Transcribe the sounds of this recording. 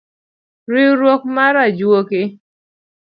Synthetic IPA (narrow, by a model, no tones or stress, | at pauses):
ɾiɾwok̚maɾad͡ʒwokɪ